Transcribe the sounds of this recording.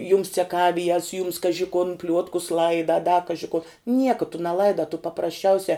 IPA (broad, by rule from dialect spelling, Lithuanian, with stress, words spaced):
jʊms t͡sʲɛˈkɑːʋʲɪjɛs jʊms ˈkɑːʒʲɪ kʊn ˈpʲlʲuɔtkʊs ˈlˠɐɪdɐ ɐ dɐ ˈkɑːʒʲɪ kuɔ ˈnʲiɛkɐ tʊ nʲɛˈlˠɐɪdɐ tʊ pɐprɐsʲˈt͡ʃʲɛʊsʲɛ